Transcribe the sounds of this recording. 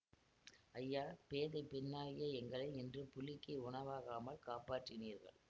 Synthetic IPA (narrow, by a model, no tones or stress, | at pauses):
ɐjːaːpeːðɐɪpɪnːaːjɪjɐɛŋɡɐɭɐɪɪndrɯpʊlɪkːɐʊɳɐʋaːɣaːmɐɭkaːpaːʈrɪniːɾɣɐ̰ɭ